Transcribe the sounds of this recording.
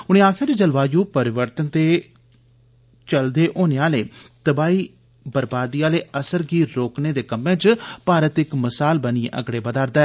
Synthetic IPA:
ʊñẽːaːkʰjaːd̪ed͡ʒəlʋaːjũːpəɾɪʋəɾt̪ənt̪eː | t͡ʃəld̪eːʔoːneaːleːt̪əbaːiː | bəɾbaːd̪iːaːleːəsəɾɡiːɾɾoːkneːd̪eːkəmːẽːt͡ʃpaːɾət̪ɪkməsaːlbəniḛʔə̰ɡɽeːbəd̪aːɾd̪ɛː

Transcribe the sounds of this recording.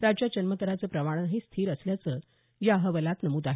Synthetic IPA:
ɾad͡ʑjad͡ʑənmət̪əɾat͡səːpɾəʋaɽ̃aɦiːst̪ʰiːɾəsljat͡səː | jaɦəʋəlat̪nəmuːd̪aɦe

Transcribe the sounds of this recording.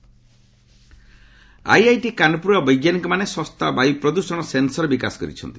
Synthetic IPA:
a̰jajʈikanɔpuɾɔbɔjɡjanikɔmanesɔst̪ʰabajpɾɔd̪usɔɽ̃ɔsensɔɾebikasɔ̥kɔɾḭt͡ʃʰɔ̰nt̪i

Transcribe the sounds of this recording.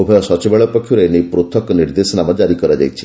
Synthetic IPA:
obʱɔjɔsɔt͡ʃibɛɭɔpɔkʰːjuɾenipɾut̪ʰːɔkɔniɾd̪esɔnamɔd͡ʒaɾikɔɾad͡ʒa̰jt͡ʃʰi̥

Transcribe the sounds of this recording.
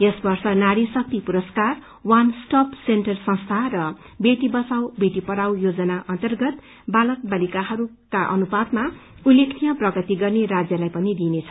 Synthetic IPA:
esbʌrsʌnaɽisʌk̚t̪ipuɾʌskar | wansʈʌpsenʈʌrsʌ̃ŋst̪ʰarʌ | beʈibʌsawbeʈipʌɽawjod͡zʌnaʔʌnt̪ʌrɡʌt̪ | balʌk̚balikaɦʌɾu | kaʔʌ̰nubad̪̚ma | ulːekʰnijʌprʌɡʌt̪iɡʌrnerad͡zjʌlajpʌnid̪inet͡sʰʌ

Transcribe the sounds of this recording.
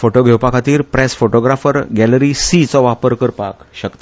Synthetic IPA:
foʈoɡʱewpakʰat̪iːɾpɾɛsfoʈoɡɾafəɾɡɛləɾisit͡sɔʋapəɾkəɾpa̰kɕəkt̪a

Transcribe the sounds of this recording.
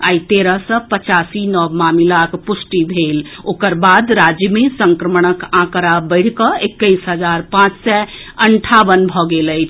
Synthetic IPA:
ajt̪eɾəsə̃pət͡ʃasinɔʋmamilakpusʈibʱelokəɾbad̪ɾad͡ʒjəmesəŋkɾəməɳ̃əkãkəɾabəɪɽ̤kəekːəjsɦəd͡ʒaɾpãt͡ʃsɛəɳʈʰabənbʱɔɡeləjt͡ʃʰ

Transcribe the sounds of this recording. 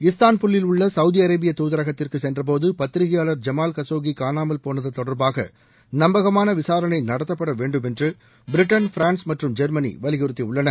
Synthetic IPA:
ɪst̪aːnpʊɭːɪlʊɭːɐsɐʊðiɐɾɐːbɪjɐt̪uːðɐɾɐɣɐt̪ːɪrkɯsɛndrɐp̬oːðɯpɐt̪ːɪɾɪɣɪjaːlɐɾd͡ʒɐmaːlkɐsoːɣikaːnaːmɐlpoːnɐðɐt̪ɔɽɐɾbaːɣɐ̰ | nɐmbɐɣɐmaːnɐʋɪsaːɾɐnɐɪnɐɽɐt̪ːɐpːɐɽɐʋeːɳɖɯmɛndrɯ | bɪɾɪʈːɐnfɪɾaːnsmɐʈrɯmd͡ʒɐɾmɐnḭʋɐlɪɣɪɾɯt̪ːiʊɭːɐnɐ

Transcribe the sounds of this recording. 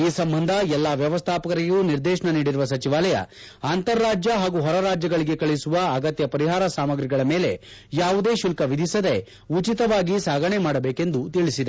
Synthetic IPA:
iːsɐmbɐnd̪ʱɐɛlːaːʋjɐʋɐst̪ʰaːpɐkɐɾijuːniɾd̪ɛːʃɐɳɐniːɽiɾuʋɐsɐt͡ʃiʋaːlɐjɐ̰ | aːnt̪ɐɾːaːd͡ʒjɐɦaːɡuɦɔɾɐɾaːd͡ʒjɐɡɐɭiɡe̞kɐɭisuʋɐɐɡɐt̪jɐpɐɾiɦaːɾɐsaːmɐɡɾiɡɐɭɐme̞ːle̞ | jaːʋud̪e̞ːʃulkɐʋid̪ʱisɐd̪e | ut͡ʃit̪ɐʋaːɡisaːɡʱɐɳemaːɽɐbeːke̞nd̪ut̪iɭisid̪e

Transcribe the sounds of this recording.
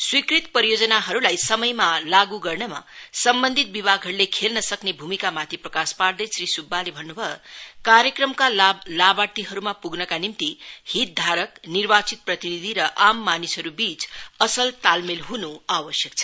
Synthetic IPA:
swikrit̪̚pʌɾijod͡zʌnaɦʌɾulajsʌmʌjmalaɡuɡʌrnʌma̰sʌmbʌnd̪ʱit̪̚bibʱaɡɦʌɾulekʰelnʌsʌknebʱumikamat̪ʰiprʌkaspard̪ʌsrisubːalebʱʌnːubʱʌekaɾjʌkrʌmkalabat̪iɦʌɾumapuɡnʌkanimt̪ihit̪̚d̪ʱaɾʌknirbat͡sit̪̚prʌt̪inid̪ʱiɾʌʔamːanisʌɾubit͡sʌsʌlt̪almelɦunuabʌsjʌk̚t͡sʰʌ̥

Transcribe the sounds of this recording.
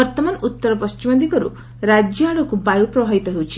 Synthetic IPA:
ɔɾt̪ɔmanut̪ːɔɾɔpɔst͡ʃimɔnd̪ikɔɾṵ | ɾad͡ʒjɔaɭɔkubajupɾɔbʱaʋit̪ɔɦewt͡ʃʰi

